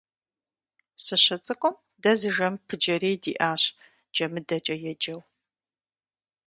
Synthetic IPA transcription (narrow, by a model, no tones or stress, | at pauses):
sɨɕɐt͡sʼɨkʷʼʊm | dɐzɨʒɐmpʰɨd͡ʒɐɾeːjdḭːʔaːɕ | d͡ʒɐmɨdɐt͡ʃʼɐjɛd͡ʒʼɐw